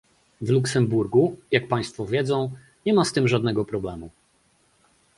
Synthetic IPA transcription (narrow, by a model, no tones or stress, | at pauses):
vluksɛmbuɾɡujak̚paj̃st̪fɔvʲjɛd̪zɔ̃w̃ | ɲɛmast̪ɘmʐad̪nɛɡɔpɾɔblɛmu